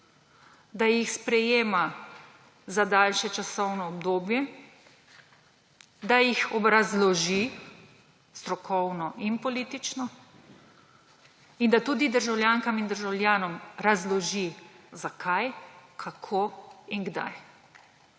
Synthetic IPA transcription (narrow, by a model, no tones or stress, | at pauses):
d̪ajixspɾɛjeːma | zad̪aːlʃɛt͡ʃasɔwnɔːbd̪oːbjɛ | d̪ajixɔbɾazlɔʒi | st̪ɾɔkʰɔwnɔʔinpɔliːt̪it͡ʃnɔ | ind̪at̪uːd̪id̪əɾʒawljaŋkamind̪əɾʒawlʲjaːnɔmɾazlɔʒizakʰajkʰakʰoiŋɡd̪a̰j